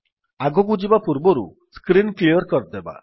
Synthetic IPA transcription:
aɡɔɡud͡ʒibapuɾbɔɾṵ | skɾinkliɔɾkɔɾd̪eba̰

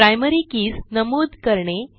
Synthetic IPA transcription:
ɾajməɾikiːsnəmod̪ʱkəɾɳe

